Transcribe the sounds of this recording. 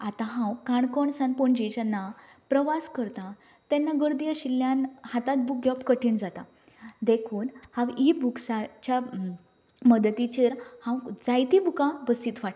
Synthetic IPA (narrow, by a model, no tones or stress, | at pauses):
at̪ãɦãwkaɳkɔɳsanpɔɳd͡ʑit͡ɕanːapɾəʋaskəɾt̪a | t̪ɛnːaɡəɾd̪ijəɕilːjanhat̪at̪̚buk̚ɡɔpkəʈʰiːɳd͡zat̪a | d̪ekʰuːnhãwibuksat͡ɕja | məd̪ət̪it͡ɕeɾhãwd͡zajt̪ibukãbəsiːt̪ʋaʈ